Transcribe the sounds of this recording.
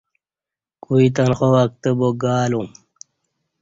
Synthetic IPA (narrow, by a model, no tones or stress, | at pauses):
kuit̪̬anxowak̚t̪əboɡaːlum